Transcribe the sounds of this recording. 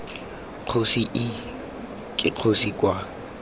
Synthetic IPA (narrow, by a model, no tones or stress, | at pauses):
q͡χʰosiʔɪ | kʼɪq͡χʰosikʼwa